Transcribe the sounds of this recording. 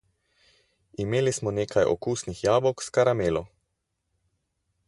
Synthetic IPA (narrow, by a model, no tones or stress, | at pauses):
imeːlismɔneːkʰajʔɔ̰kuːsnixjaːbɔkskaɾameːlɔ